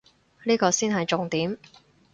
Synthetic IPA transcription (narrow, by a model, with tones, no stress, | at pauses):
liː˥kɔː˧siː˥nɦɐ˨jt͡sʊ˨ŋt̪iː˨˥m